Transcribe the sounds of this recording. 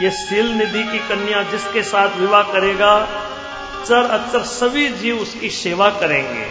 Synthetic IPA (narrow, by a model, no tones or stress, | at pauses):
jesiːlnɪd̪ʱikikɐnjãd͡ʒɪskesaːt̪ʰʋɪʋakɐɾeːɡaː | səɾɐtsəɾsɐbʱid͡ʒiːʊskiseːʋakɐɾẽːŋɡḛː